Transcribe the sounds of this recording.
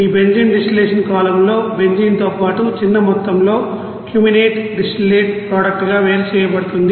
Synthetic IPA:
iːbe̞nd͡ʒiːnɖisʈileːʂɐnkaːlɐmlo̞ːbe̞ɲd͡ʒiːnt̪o̞ːpaːʈut͡ʃinːɐmɔt̪ːɐmlo̞ː | kjuːmineːʈɖisʈileːʈpɾaːɽɐk̚ʈɡaːʋeːɾɐt͡ʃɛːjɐbɐɽut̪und̪i

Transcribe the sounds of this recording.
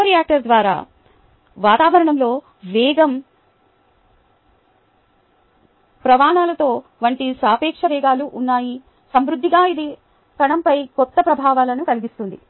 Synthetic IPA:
ɾijaːk̚ʈɐɾd̪ʋaːɾa̰ː | ʋaːt̪aːʋɐɾɐɳɐmlo̞ː | ʋɛːɡɐm | pɾɐʋaːɳaːlɐt̪o̞ːʋɐɳʈisaːpɛːkʂɐʋɛːɡaːluʔːnːaːji | sɐmɾud̪ʱːiɡaːid̪i | kɐɳɐmpɐjkɔt̪ːɐpɾɐbʱaːʋaːlɐnukɐliɡist̪und̪i

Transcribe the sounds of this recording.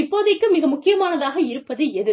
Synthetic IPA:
ɪpːoːðɐɪkːɯmɪɣɐmʊkːɪjɐmaːnɐðaːɣɐɪɾɯpːɐðɯɛðɯ

